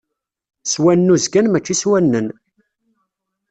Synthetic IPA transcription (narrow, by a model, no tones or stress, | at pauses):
swænːuzɡænmæt͡ʃːiswænːən